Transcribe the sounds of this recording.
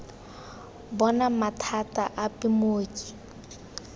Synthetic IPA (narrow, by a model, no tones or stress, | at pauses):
bɔnamatʰatʼaʔapʼɪmoːkʼi̥